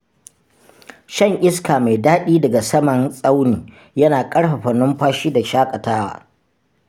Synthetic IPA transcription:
ʃɐ˦˨ŋʔɪ˦skaː˨ma˨jdaː˦ɗiː˦dɐ˨ɡa˨sɐ˦mɐ˨nsʼa˦wniː˨ | jɐ˦naː˨kʼɐ˦ɽɸɐ˨ɸɐ˨nːʊ˦mɸaː˦ʃiː˦da˨ʃaː˦kʼɐ˨taː˦wa̰ː˨

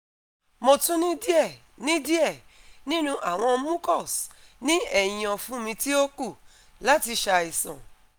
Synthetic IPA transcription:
mo˧tũ˦nĩ˦di˦ɛ˦˨ | nĩ˦di˦ɛ˦˨nĩ˦nũ˦ʔa˨w̃ɔ̃˧˦mũ˦kɔ˦˨snĩ˦ɛ˦˨j̃ɔ̃˨fũ˦mĩ˧ti˦o˦ku˦˨ | la˨˦ti˧ʃa˧i˨sã̰˨

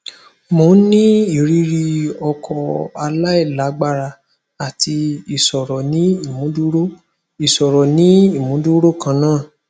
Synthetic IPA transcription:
mo˨˦nĩ˦i˨ɾi˧ɾi˧ɔ˧kʰɔ˧a˧la˦i˦˨la˨˦ɡ͡ba˦˨ɾa˧ | a˨tʰi˧i˨sɔ˨ɾɔ˨nĩ˦i˦˨mũ˨˦du˦ɾo˦ | i˨sɔ˨ɾɔ˨nĩ˨˦i˦˨mũ˨˦du˦ɾo˦˨kã˧˦nãː˦˨

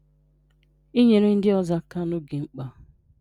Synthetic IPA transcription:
i˦ɲe˨ɾe˦n̩˦dɪ˦ɔ˨za˦ka˦no˦ɡe˨ŋ͡m̩˦k͡pa˦

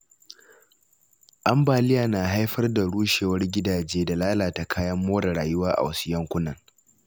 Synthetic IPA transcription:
ʔa˦mbaː˨lɪ˦jaː˨naː˨ɦa˦jɸɐ˦rda˨ɽuː˦ʃeː˨wɐ˦rɡʲɪ˦daː˨d͡ʒeː˦da˨laː˦laː˨ta˨kʰaː˦jɐ˦mːoː˦da˨ɽaː˨jʊ˦waː˦ʔa̰˨wɐ˦sʊ̥˨jɐ˦ŋkʷʊ˦nɐ˨ŋ

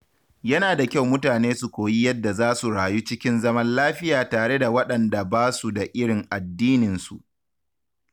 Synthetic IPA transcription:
jɐ˦naː˨da˨kʲa˦wmʊ˦taː˨neː˦su˨kʷoː˨ji˦jɐ˦dːa˨zaː˦su˨ɽaː˨ju˦t͡ʃɪ˦kʲɪ˦nzɐ˦mɐ˦nlaː˦ɸɪ˦jaː˨taː˨ɽe˦da˨wɐ˦ɗɐ˨nda˨baː˦su˨da˨ʔɪ˦ɽɪ˨ŋʔa˨dːiː˦nɪ˨nsṵ˨ʔ

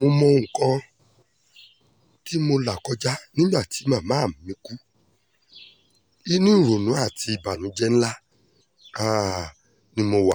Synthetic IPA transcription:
mo˧mɔ̃˧ŋ̩̃˨kã˧ | ti˦mo˧la˨kɔ˧˦d͡ʒa˦nĩ˦ɡ͡ba˦˨ti˨˦mã˦˨mãː˨˦˨m˨mĩ˧˦ku˦ | i˦nũ˦˨ɾo˨nũ˨˦a˦˨ti˧i˨ba˨nũ˨˦d͡ʒɛ˦n̩˦la˦ | a˦ | nĩ˦mo˧wa˨

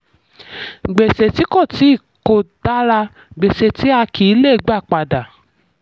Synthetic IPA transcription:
ɡ͡be˨se˨ti˦ko˦˨ti˨˦˨ | ko˨d̥a˨˦ɾa˧ | ɡ͡be˨se˨ti˨˦a˧ki˨i˨˦le˦˨˧ɡ͡ba˦˨k͡pa˧da˨

